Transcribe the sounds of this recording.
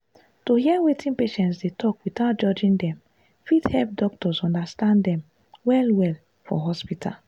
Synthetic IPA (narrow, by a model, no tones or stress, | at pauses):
tohiɛwetʰĩnpeʃɛ̃ntsdetʰɔkwiθaʊt̚d͡ʒɔd͡ʒĩndɛ̃m | fithɛlp̚dɔk̚tɔsɔ̃ndastãndɛ̃m | wɛlwɛl | fɔ̰ɦɔspitʰa̰l